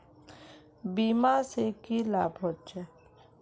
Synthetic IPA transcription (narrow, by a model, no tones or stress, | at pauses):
biːmãːsekilaːbɦot̪t͡ʃe